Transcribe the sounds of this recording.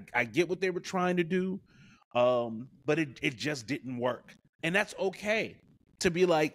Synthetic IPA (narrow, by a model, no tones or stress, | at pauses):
aɪɡɛʔ̚wʌt̪̚ðeɪwə˞tʰɹ̥aɪɪ̃ŋtɨdʉ | ʔʌ̃mb̥ʌɾɨt̚ɪt̚d̥ʒ̥ʌsd̥ɪdⁿn̩tʔwɜ˞k | ɨ̃nðætsoʊkʰeɪ | ɾʰɨbilaɪk̚